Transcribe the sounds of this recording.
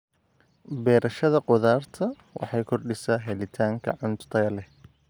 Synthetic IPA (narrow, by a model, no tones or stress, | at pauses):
bɛːɾɐʃɐðɐqɔðaːrt̪ʰɐ | wʔɑ̰ħɑjkʰɔrɖɪsaːɦɛlɪt̪ʰaːŋkʰɐ̰ʕʊnt̪ʰɐɣɐlɛ